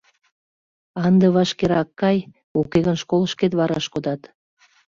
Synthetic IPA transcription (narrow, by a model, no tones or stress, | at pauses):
ɑnd̪ə̆βɑʃkeɾɑkːɑj | okeɣənʃkoləʃket̪βɑɾɑ̰ʃkod̪ɑt̪